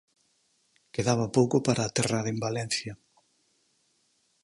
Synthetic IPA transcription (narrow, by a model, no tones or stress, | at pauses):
keðaβ̞apowkopaɾaːt̪eraɾembalɛn̟θjɐ